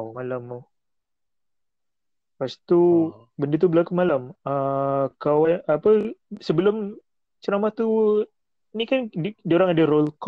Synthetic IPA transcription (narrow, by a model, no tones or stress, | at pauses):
malama | past̪u | bəndət̪̬ubəlakumalaməkawaapəsəbəlʊm | t͡ʃəɾamaht̪u | inikandioɾaŋadaɾolk